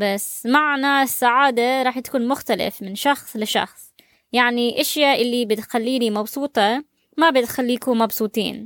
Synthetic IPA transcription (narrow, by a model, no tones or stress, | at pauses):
basmaʕnasːaʕaːd̪aɾˤɑːħt̪ḁkuːnmʊxt̪alɪ̰fmɪnʃɑxsˤlɪʃɑ̰xsˤ | jaʕniʔaʃjaʔɪlːibɪt̪xalːiːnimɑbsˤuːt̪ˤɑ | mabɪt̪xalːiːkʊmɑbsˤuːt̪ˤḭːn